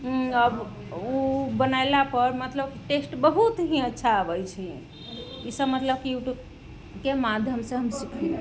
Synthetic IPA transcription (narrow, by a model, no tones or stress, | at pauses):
ɦəb | ubənaɪlapəɾmət̪ləbki̥ʈesʈbəɦut̪ɦĩətːʃʰaəbəjt͡ʃʰi | isəbmət̪ləb̚kiuʈ | kemad̪ʱjəmsə̃ɦəmsikʰil